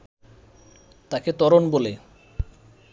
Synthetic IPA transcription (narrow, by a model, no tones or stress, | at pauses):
t̪aket̪ɔɾonbole